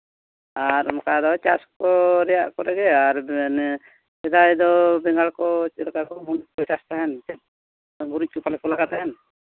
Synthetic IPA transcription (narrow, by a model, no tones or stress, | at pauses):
aɾɔmɔkad̪ɔt͡ʃa̰skɔɾɛjaʔkɔɾɛɡɛaɾnɛ | sɛd̪ajd̪ɔbɛŋɡaɭkɔt͡ʃɛlakakɔmunkɔt͡ʃast̪aɦɛnt̪ɛt̚ | ɡuɾuc̚ˀkupalɛkɔlaɡat̪aɦɛn